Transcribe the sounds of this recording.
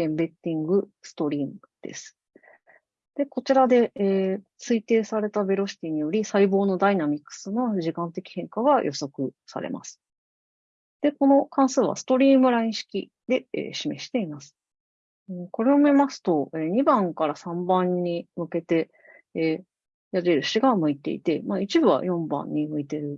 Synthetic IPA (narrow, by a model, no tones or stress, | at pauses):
ẽ̞mbe̞t̪ʲːĩŋɡɯ̟ | sɨ̥t̪o̞ɾʲiːmɯ | d̪̥e̞̰sɨ̥ | d̪̥e̞ko̞t͡ɕiɾad̪e̞ː | t͡sɨit̪e̞ːsaɾe̞t̪abe̞ɾo̞ɕi̥t̪ʲiɲ̟ijo̞ɾʲisaibo̞ːno̞d̪ainamʲikːɯ̥sɨno̞ʑikãnt̪e̞kʲi̥hẽ̞ŋkaɡajʔo̞̰so̞kɯ̟sa̰ɾe̞̰mʔa̰sɨ̥ | d̪̥e̞ko̞no̞kãɰ̃sɨːβa̰sɨ̥t̪o̞ɾʲiːmɯ̟ɾaĩɕi̥kʲḭ | d̪̥e̞ḛːɕime̞ɕi̥t̪e̞imasɨ̥ | ɯ̃ko̞ɾe̞omʲimasɨ̥t̪o̞e̞ɲ̟ibãŋkaɾasãmbãɲːimɯ̟ke̞t̪e̞ | jaɾe̞ɾɯ̟ɕiɡamɯ̟it̪e̞ḭt̪e̞mait͡ɕibɯ̟βa̰jõ̞mbã̰ɲ̟ːimɯ̟it̪e̞ɾɯ̟